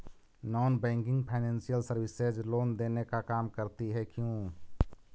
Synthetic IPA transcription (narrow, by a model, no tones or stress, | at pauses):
nɔːnbɛ̃ŋkɪ̃ŋɡpʰaɪnẽːnsijəlsəɾwɪsed͡ʒloːnd̪eːnekakaːmkəɾt̪iɦɛkjũ